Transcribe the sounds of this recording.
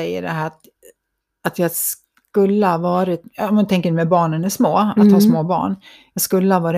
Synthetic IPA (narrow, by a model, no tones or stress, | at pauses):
ɛjːə̰ɖɛɦæːɾat̪ | at̪jɑːɡs | kɵlːəhavɑːɾɪt̪ːmɛnt̪ʰɛŋkəɖɛmɛbɑːɳənæʂmoːat̪hɑːsmoːbɑ̰ːɳ | jɑːɡskɵlːəhavɑːɾ